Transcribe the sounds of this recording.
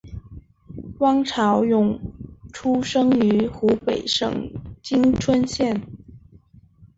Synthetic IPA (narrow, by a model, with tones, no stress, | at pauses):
wɑ˥ŋʈ͡ʂʰɑ˧˥ʊjʊ˨˩ŋʈ͡ʂʰu˥ʂɤ˥ŋy˧˥xu˧˥pe˨˩ɪʂɤ̰˨˩ŋt͡ɕi˥ŋʈ͡ʂʰwə˥nɕjɛ˥˩n